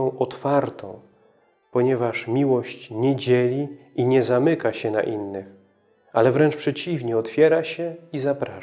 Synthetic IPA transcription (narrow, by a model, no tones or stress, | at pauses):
ɔ̃w̃ʔɔt̪faɾt̪ɔ̰̃w̃ | pɔɲɛvaʂmʲiwɔɕt͡ɕɲɛd͡ʑɛlʲiiɲɛzamɘkaɕɛna̰ʔinːɘx | alɛvɾɛnt͡ʂpʂɛt͡ɕivɲɛɔt̪fʲjɛɾaɕɛizapɾa